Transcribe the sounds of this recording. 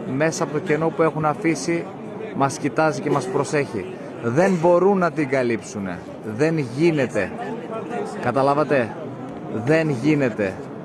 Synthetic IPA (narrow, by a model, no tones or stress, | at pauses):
me̞sɐpo̞t̪oce̞no̞pue̞xunɐfisi | mɐscit̪ɐzice̞mɐspɾo̞se̞çḭ | ðe̞nbo̞ɾunːɐt̪iŋɡɐlipsune̞̰ | ðe̞nʝine̞t̪e̞ | kɐt̪ɐlɐvɐt̪e̞ | ðe̞nʝine̞t̪e̞